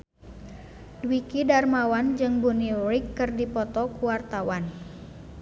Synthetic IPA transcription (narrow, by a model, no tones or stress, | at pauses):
dwikidarmawand͡ʒɨŋbuniuɾikːɨrdipɔt̪ɔkuwart̪awan